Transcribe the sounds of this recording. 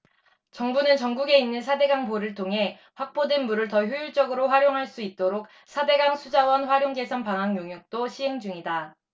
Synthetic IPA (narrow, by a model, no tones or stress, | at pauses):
t͡ɕʌŋbunɯnt͡ɕʌŋɡuɡe̞inːɯnsʰade̞ɡaŋpoɾɯɭtʰoŋɦe̞ | ɸwak̚p͈odenmuɾɯɭtʌçjojuɭt͡ɕ͈ʌɡɯɾoɸwaɾjoŋɦaɭs͈uit̚t͈oɾok̚ | sʰade̞ɡaŋsʰud͡ʑawʌnɸwaɾjoŋɡe̞sʰʌnpaŋɦaŋjoŋjuk̚t͈oɕʰiɦe̞ŋd͡ʑuŋida